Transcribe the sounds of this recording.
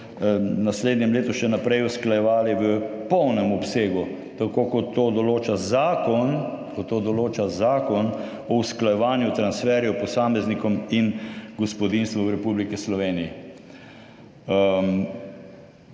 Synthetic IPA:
nasleːd̪nʲɛmleːt̪uʃɛnapɾɛjusklajɛʋaːliʋəpɔwnɛmɔpseːɡu | t̪akoːkɔt̪ːoːd̪ɔloːt͡ʃazaːkɔnkɔt̪ːod̪ɔloːt͡ʃazaːkɔn | ɔusklajɛʋaːnjut̪ɾansfɛːɾjɔpɔsaːmɛznikɔminɡɔspɔd̪inst̪ʋɔwɾɛpublikɛslɔʋeːniji

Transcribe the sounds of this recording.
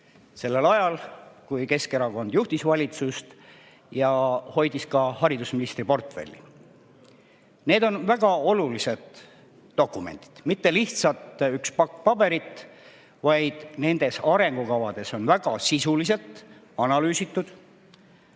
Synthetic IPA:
se̞lːe̞lɑjɑlkujke̞ske̞ɾɑko̞nd̪̥juht̪isvɑlʲit̪sust̪ | jɑho̞jd̪̥iskɑhɑɾid̪usminist̪ɾipo̞rt̪fe̞̰lʲːḭ | ne̞ːd̪o̞nvæɡ̥ɑo̞lulise̞d̪̥ː | o̞kːˑume̞̰nt̪i̥d̪̥mit̪ːe̞liht̪sɑt̪ykspɑkːpɑbe̞ɾit̪ | vɑjd̪̥ne̞nd̪̥e̞sɑɾe̞ŋɡ̥ukɑvɑd̪̥e̞so̞nvæɡ̥ɑsisulise̞lt̪ːˑ | ɑnɑlyːsit̪ːˑud̪̥

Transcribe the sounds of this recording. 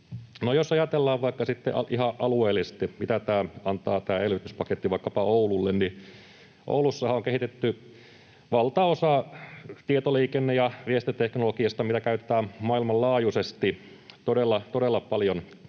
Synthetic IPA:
nojosɑjɑt̪elːɑːʋʋɑikːɑsit̪ːḛʔɑʔihɑʔɑlueːlːˑise̥t̪imit̪æt̪æːɑnt̪ɑːt̪æːelʋit̪yspɑket̪ːiʋɑikːɑpɑoululːenni | ʔo̰ulusːɑhɑoŋkehit̪et̪ːy | ʋɑlt̪ɑosɑt̪iet̪oliːkenːejɑʋiest̪it̪eknolokiɑst̪ɑmit̪ækæyt̪ĕt̪æːmmɑilmɑllɑːjusest̪i | t̪odelːɑt̪odelːɑpɑljon

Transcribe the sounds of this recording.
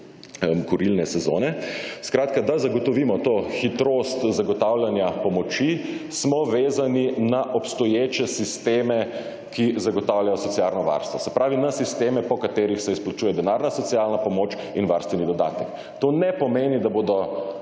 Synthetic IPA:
kɔɾilnɛsɛzo̰ːnɛskɾaːt̪kad̪azaɡɔt̪ɔʋiːmɔt̪oːxit̪ɾoːst̪zaɡɔt̪awljanjapɔmɔt͡ʃismɔʋeːzaninaʔɔpst̪ɔjeːt͡ʃɛsist̪eːmɛ | kʰizaɡɔt̪awljajɔsɔt̪sjalnɔʋa̰ɾst̪ʋɔsɛpɾaːʋinasist̪eːmɛpɔkat̪eːɾixsɛisplat͡ʃuːjɛd̪ɛnaːɾnasɔt̪sijalnapɔmoːt͡ʃ | inʋaɾst̪ʋɛnid̪ɔd̪a̰ːt̪ɛk | t̪oːnɛpɔmeːnid̪aboːd̪ɔ

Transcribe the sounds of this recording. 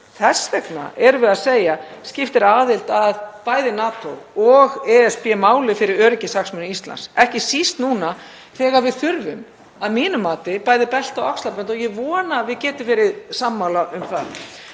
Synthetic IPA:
θɛsvɛkna̰ʔɛɾvɪðaðseːjascɪft̪ɛɾaːðɪlt̪aðpaːjðɪnaːt̪owɔɣɛɛspjɛmaːwlɪfɪɾɪɾœːɾɪcɪsaksmʏnʏist̪la̰nsɛhcɪsist̪nuːna | θɛːɣaɾvɪðθʏɾvʏm | aðmiːnʏmːaːt̪ɪpaːjðɪpɛl̥t̪awakslapɛnt̪ɔɣjɛvɔːnavɪðcɛːt̪ɪfɪɾɪðsamːawlaʔʏmθa̰ð

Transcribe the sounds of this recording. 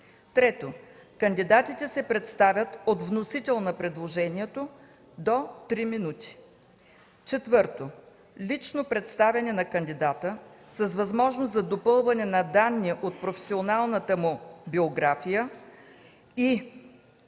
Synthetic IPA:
t̪ɾɛt̪okənd̪id̪at̪it̪ɛsɛpɾɛt̪st̪avʲət̪ot̪vnosit̪ɛlˠnɐpɾɛd̪lˠoʒɛniɛt̪o | d̪ot̪ɾiminut̪i̥ | t͡ʃɛt̪vɤɾt̪o | lit͡ʃnopɾɛt̪st̪avʲɛnɛnɐkənd̪id̪at̪əsəsvɐzmɔʒnoszɐd̪opɤlˠvɐnɛnɐd̪anːiʔot̪̚pɾofɛ̥sionalˠnət̪əmʊbioɡɾafijə | i

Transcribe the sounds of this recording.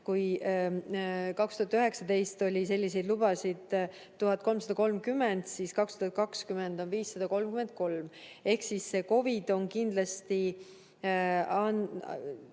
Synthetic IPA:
kuj | kɑkst̪uhɑt̪yɦe̞ksɑd̪e̞jst̪o̞lʲise̞lʲːise̞jd̪lub̥ɑsid̪̥ | t̪ːuɦɑt̪̚ːˑko̞lmsɑd̪ɑko̞lmkymːe̞nd̪̥siskɑkst̪uhɑt̪̚kɑkskymend̪o̞nviːsːɑd̪̥ɑko̞lmkyme̞nt̪̚ko̞lme̞hksisse̞ko̞vid̪̥o̞nkind̪lɑst̪i | ɑn

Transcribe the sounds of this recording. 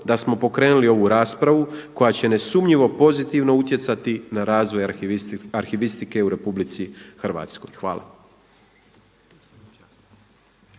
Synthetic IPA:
d̪asmo̞po̞kɾe̞ːnulio̞ʋuɾaːspɾaʋuko̞jat͡ɕe̞ne̞sumɲiʋo̞po̞zit̪iʋno̞ut̪je̞t̪sat̪inaɾaːzʋo̞jaɾxiʋist̪ike̞uɾe̞publit̪sixrʋa̰ːt̪skojxʋa̰ːla̰

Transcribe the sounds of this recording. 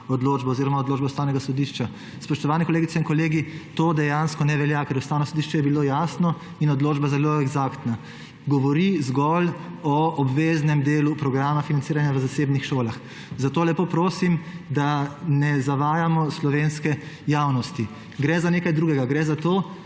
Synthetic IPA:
ɔd̪loːd͡ʒbɔːziːɾɔmaɔd̪loːd͡ʒbɛust̪awnɛɡasɔd̪iʃt͡ʃa | spɔʃt̪ɔʋaːnɛkɔleːɡit̪sɛinkɔleːɡit̪oːd̪ɛjanskɔnɛʋɛljakɛɾust̪aːwnɔsɔd̪iʃt͡ʃɛjɛbilojasnɔ | inɔd̪loːd͡ʒbazɛloɛɡzakt̪na | ɡɔʋɔɾizɡɔlɔɔbʋeːznɛmd̪eːlupɾɔɡɾaːmafinant̪siːɾanjaʋəzaseːbnixʃoːlax | zat̪oːlɛpoːpɾoːsimd̪anɛzaʋaːjamɔslɔʋenskɛjaːwnɔst̪i | ɡɾɛzaneːkajd̪ɾuːɡɛɡaɡɾɛzat̪oː

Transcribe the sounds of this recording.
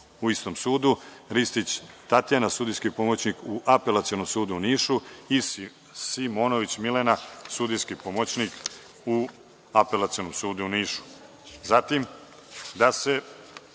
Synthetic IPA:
uist̪o̞msuːd̪uɾist̪it͡ɕt̪at̪ijanasuːd̪ijskipo̞mot͡ɕnikuʔapelˠat̪sionomsuːd̪uːniːʃui | simoːno̞ʋit͡ɕmilenasud̪ijskipo̞mot͡ɕnik | u | ape̞lˠat̪sio̞nomsuːd̪uuniːʃu̥ | zat̪im | d̪ase̞

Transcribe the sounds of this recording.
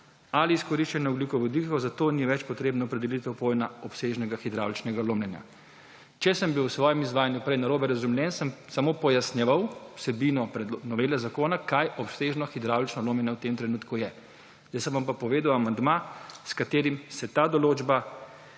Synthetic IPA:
aliːskɔɾiʃt͡ʃɛnɛɔbliːkɔʋɔd̪ikɔwzat̪oːniʋɛt͡ʃpɔt̪ɾeːbnɔːpɾɛd̪ɛlit̪ɛwpojnaɔpseːʒnɛɡaxid̪ɾa̰wlt͡ʃnɛɡaloːmlʲɛnja̰ | t͡ʃɛsəmbiwsʋɔːjɛmizʋaːjanjupɾɛjnaɾoːbɛɾazumljɛnsəmsamopɔjasnjɛʋawwsɛbiːnɔpɾɛd̪nɔʋeːlɛzakoːnakajɔpseːʒnɔxid̪ɾawlt͡ʃnɔloːmlʲɛnjawt̪emt̪ɾɛnuːt̪kujɛ | jasəmʋampapɔʋeːd̪awamand̪maskat̪eːɾimsɛt̪aːd̪ɔloːd͡ʒba

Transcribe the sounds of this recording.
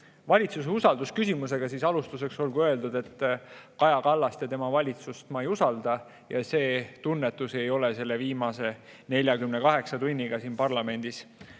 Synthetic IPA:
vɑlʲit̪suseusɑld̪̥uskysʲimuse̞ɡ̥ɑsiːsɑlust̪use̞kso̞lɡuøe̞ld̪ud̪̥e̞t̪ːkɑjɑkɑlːɑst̪jɑt̪e̞mɑvɑlʲit̪sust̪mɑejusɑld̪̥ɑ | jɑse̞ːt̪unːet̪ːˑuse̞jo̞lese̞lːe̞viːmɑse̞ne̞lʲjɑkymnekɑɦe̞ksɑt̪unʲːiɡ̥ɑsiːnpɑrlɑme̞nʲd̪̥is

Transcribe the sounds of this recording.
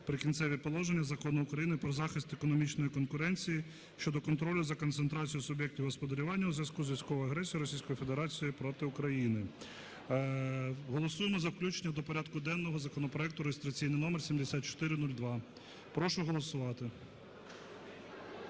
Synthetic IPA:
pɾɪkʲint̪sɛʋʲipɔlˠɔʒenʲːɐzɐkɔnʊʊkɾɐjinɪpɾɔzɑxɪst̪ekɔnɔmʲit͡ʃnɔjikɔnkʊɾɛnʲt͡sʲiji | ʃt͡ʃɔd̪ɔkɔnt̪ɾɔlʲʊzɐkɔnt̪sent̪ɾɑt͡sʲijʊsʊbʲjɛk̚tʲiwɦɔspɔd̪eɾʲʊʋɑnʲːɐuzʋʲjʲɐskuzʋʲisʲkɔʋɔjɐɦɾɛsʲijiɾɔsʲijsʲkɔjifed̪eɾɑt͡sʲijipɾɔt̪ɪʊkɾɐjinɪ | ɦɔlˠɔsujemɔzɐwklʲut͡ʃenʲːɐd̪ɔpɔɾʲɑd̪kʊd̪ɛnːɔɦɔzɐkɔnɔpɾɔɛk̚t̪ʊɾejest̪ɾɐt͡sʲijnɪjnɔmersʲimd̪esʲat̪̚t͡ʃɔ̥t̪ɪɾɪnulʲd̪ʋɑ | pɾɔʃʊɦɔlˠɔsʊʋɑt̪ɪ

